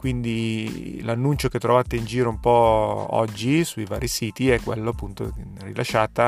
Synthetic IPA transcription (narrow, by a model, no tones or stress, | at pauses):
kwind̪ilanːunt͡ʃoket̪ːɾovaːt̪eind͡ʒiːɾoumpɔɔ̰d͡ʒːisuiva̰ːɾisiːt̪iɛkːwḛlːoapːunt̪o̰ | rḭlaʃːaːt̪a